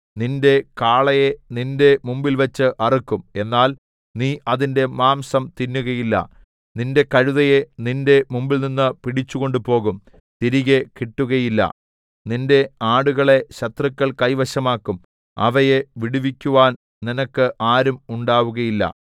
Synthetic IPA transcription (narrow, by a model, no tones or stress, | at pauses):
ninde̞kaːɭɐje̞ninde̞mumbilʋɐt͡ɕːɨʔɐrikːume̞nːaːl | niːʔɐðinde̞maːmsɐmt̪inːuɣɐjilːɐ̰ | ninde̞kɐɻuðɐje̞ninde̞mumbilninːɨpiɽit͡ɕːuɣo̞ɳɖupo̞ːɣum | t̪iɾiɣekiʈːuɣɐjilːɐ̰ | ninde̞aːɽuɣɐɭe̞ɕɐt̪rɨkʲːɐɭkɐjʋɐɕɐmaːkːum | ɐ̰ʋɐjeʋiɽiʋikʲːuʋaːn | ninɐkːɨʔaːɾumuɳɖaːʋuɣɐjilːɐ̰